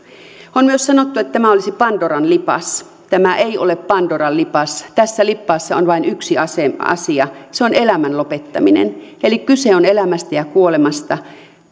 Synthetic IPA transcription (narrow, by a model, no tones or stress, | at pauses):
onmyøssɑnot̪ːuet̪ːt̪æmæolisipɑnd̥orɑnlipɑ̰s | t̪æmæʔeiolepːɑnd̥orɑllipɑst̪æsːælipːɑːsːɑonʋɑinyksiɑseɑ̰siɑseonelæmænlopet̪ːɑ̰minḛnelikkyseonelæmæst̪æjɑkuolemɑst̪ɑ